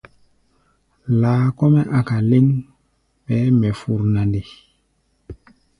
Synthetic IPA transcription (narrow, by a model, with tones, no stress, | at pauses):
laː˨˦kɔ˦mɛ˦ʔa˨ka˨le˦n | pɛ˨˦mɛ˨fu˨ɾna˨nde˨